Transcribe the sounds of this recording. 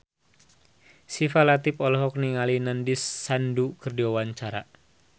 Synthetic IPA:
sifalat̪ipɔlɔɦɔk̚niŋalinandisːandukərdiwawaɲt͡ʃaɾa

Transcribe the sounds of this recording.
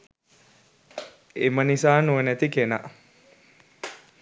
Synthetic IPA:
emənisaːnuʋənæt̪ikena̰

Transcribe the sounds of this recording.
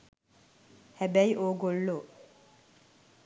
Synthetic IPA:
hæbæjiʔoːɡolːoː

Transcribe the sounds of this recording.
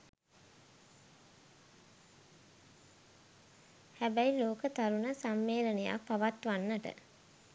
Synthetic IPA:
hæbæjiloːkət̪aɾunəsamːeːləneja̰paʋat̪ʋanːəʈə̰

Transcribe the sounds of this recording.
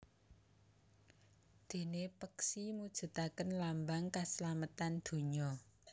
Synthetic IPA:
d̪̥e̤nepəksimud̥ʒ̥ə̤t̪akənlambaŋkaslamət̪and̪̥o̤ɲɔ

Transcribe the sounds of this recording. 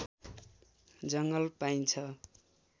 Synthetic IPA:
d͡zʌŋɡʌlpaint͡sʰʌ

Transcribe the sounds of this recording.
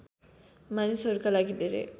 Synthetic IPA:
manisɔɾukalaɡid̪eɾḛ

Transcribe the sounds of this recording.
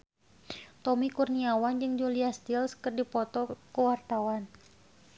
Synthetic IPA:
t̪ɔmikurniawand͡ʒɨŋd͡ʒuliast̪ilskərdipɔt̪ɔkəwart̪awan

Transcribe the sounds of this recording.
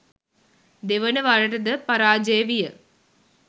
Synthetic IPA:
d̪eʋɐnɐʋaːɻɐʈɐd̪ɐpɐɾaːd͡ʒeːʋijɐ

